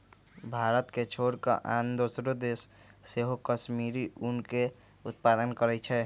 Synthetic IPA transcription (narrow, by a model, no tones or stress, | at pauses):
bʱaːɾət̪ket͡ʃʰoːɾka̰ʔand̪osɾod̪eːsː | eɦokəʃmiːɾiʊnke | ʊt̪̚paːd̪ənkəɾɛt͡ʃʰɛ